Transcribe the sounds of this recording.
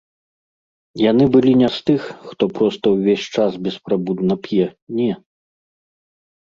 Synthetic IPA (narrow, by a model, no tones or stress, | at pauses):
janɨbɨlʲinʲast̪ɨxxt̪ɔpɾɔst̪ɐwvʲesʲt͡ʂasbʲɛspɾabud̪nɐpʲjɛnʲɛ